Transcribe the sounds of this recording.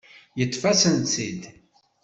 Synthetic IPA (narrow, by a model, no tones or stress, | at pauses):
jət̪ˤːfæsənt͡sid̪